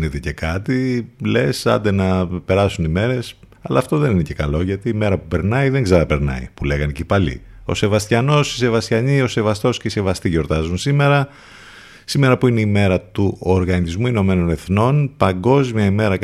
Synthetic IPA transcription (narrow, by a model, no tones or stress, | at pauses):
net̪ece̞kɐt̪ile̞sɐ̰nd̪enɐpe̞ɾɐsunime̞ɾe̞sɐlɐ̰ːft̪o̞ðeninece̞kɐlo̞ʝɐt̪iːme̞ɾɐpupe̞ɾnɐiðe̞ŋɡzɐɐɐpe̞ɾnɐ̰ḭpule̞ɣɐnicipɐlḭ | o̞̰se̞vɐst̪çɐno̞si̥se̞vɐst̪çɐɲio̞se̞vɐst̪o̞sceise̞vɐst̪iʝo̞ɾt̪ɐzunsime̞ɾɐ | sime̞ɾɐpuineime̞ɾɐt̪uoɾɣɐnizmuino̞me̞no̞ne̞θno̞npɐŋɡo̞zmiɐime̞ɾɐ